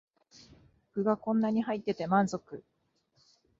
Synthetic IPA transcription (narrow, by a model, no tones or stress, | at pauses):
okɯ̟ɡakõ̞nːaɲ̟ihait̪ːe̞t̪e̞mãnzo̞kɯ̟